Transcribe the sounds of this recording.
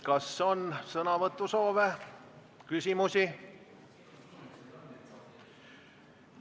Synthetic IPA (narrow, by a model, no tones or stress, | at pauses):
kɑsːeo̞nsɤnɑvɤt̪ːuso̞ːve | kysʲimusʲi